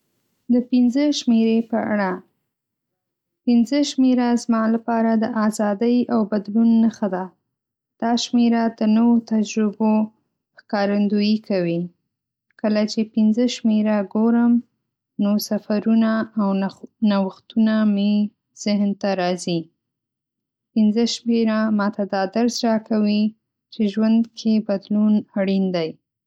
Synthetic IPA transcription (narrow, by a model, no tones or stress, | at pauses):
d̪əpɪnzəʃmeɾepəa̰ɽa | pɪnzəʃmeɾazmɑlapɑɾad̪əʔazɑd̪əjawbad̪lunːəxad̪a | d̪̥ɑʃmeɾad̪ənəwot̪ad͡ʒɾɪbo | xkɑɾand̪ujikʰawi | kəlat͡ʃepɪnzəʃmeɾaɡoɾəm | nosafaɾunaːwnawəxt̪uname | z̥ɪɦnt̪aɾɑzi | pɪnzəʃmeɾamɑt̪ad̪ɑd̪aɾsɾɑkawi | t͡ʃeʒwand̪kʰebad̪lunaɽind̪aj